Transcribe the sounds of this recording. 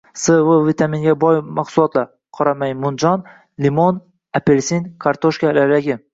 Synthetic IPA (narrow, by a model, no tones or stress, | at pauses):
sɨvəvit̪ʰamiŋɡʲabɒjmaqsʊlˠɒt̪laɾ | qʰɒɾamajmʊnd͡ʒɒn | limon | apeɾsinkʰaɾt̪ʰoʃkʲalaɾd̪aɡʲɪ